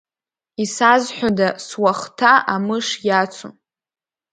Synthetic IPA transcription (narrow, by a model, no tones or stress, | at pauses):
isazħʷᶣadaswaχtʰaamɨʂjat͡sʷʰo̰